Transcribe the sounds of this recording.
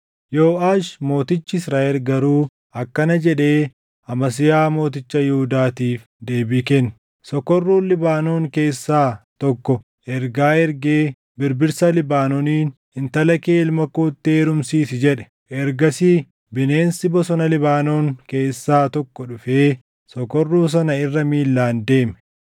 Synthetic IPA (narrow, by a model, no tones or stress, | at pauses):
joːʔaːʃmo̞ːt̪ɪt͡ʃːɪɪsɾaːɛɾɡɐɾuː | ɐkːɐnɐd͡ʒɛᶑe̞ː | ɐmɐs̬ɪjaːmo̞ːt̪ɪt͡ʃːɐjɛhʊd̪aːt̪iːf | d̪e̞ːbikɛn | sɔkːɔrːuːnlɪbaːno̞ːŋke̞ːsːaːt̪ɔkːɔ | ʔɛɾɡaːɛɾɡeː | bɪɾbɪɾsɐlɪbaːnɔniːn | ɪnt̪ɐlɐkeːɪlmɐkoːt̪ːeːɾʊmsiːsɪd͡ʒɛᶑɛ̥ | ʔɛɾɡɐsiː | bɪne̞ːnsɪbɔsɔnɐlɪbaːno̞ːŋke̞ːsːaːt̪ɔkːɔᶑʊfe̞ː | sɔkɔrːuːs̬ɐnɐɪrːɐmiːlːaːnd̪e̞ːmɛ̥